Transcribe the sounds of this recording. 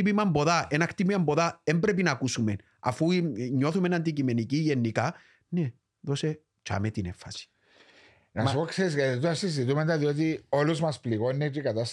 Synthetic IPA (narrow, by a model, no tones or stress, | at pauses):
ipimɐmbo̞ðaʔenɐkt̪ipiɐmbo̞ðaembɾe̞p̬inɐkusume̞n | ɐ̰fuɲːo̞θume̞nɐnd̪icime̞niciʝe̞nːika | ne | ðo̞se̞ | t͡ʃa̰met̪inefːɐsi̥ | nɐmsupokseɾiset̪uɐsizit̪̬ument̪ɐðio̞t̪io̞luzmɐspliɣo̞nːet͡ʃikat̪ɐs